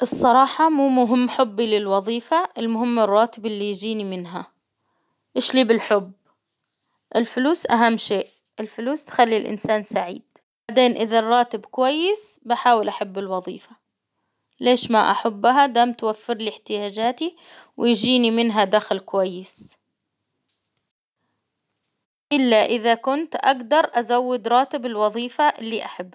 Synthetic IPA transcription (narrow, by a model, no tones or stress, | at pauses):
ʔɨsˤːɑɾˤɑːħɑmuːmʊɦɪmːħʊbːilɪlwɑðˤiːfaʔɪlmʊɦɪmːɪrˤːɑːt̪ɪbʔɪlːijd͡ʒiːnimɪnɦa | ʔɪʃliːbɪlħʊbː | ʔɪlfʊluːsʔaɦamːʃeːʔ | ʔɪlfʊluːst̪xalːilʔɪ̰nsaːnsaʕḭːd̪̥̚ | baʕd̪eːnʔɪðarˤːɑːt̪ɪbkʊwajːɪsbaħaːwɪlʔaħabːɪlwɑðˤḭːfa | leːʃma̰ʔa̰ħabːɦad̪aːmt̪wafːɪɾlɪħt̪ɪjaːd͡ʒaːt̪i | wɪjd͡ʒiːnimɪnɦad̪axlkʊwajːɪs | ʔɪlːaʔɪðakʊnt̪ʔa̰ɡd̪ɑɾˤʔazawːɪd̪ɾˤɑːt̪ɪbɪlwɑðˤiːfaʔɪlːiʔaħabːa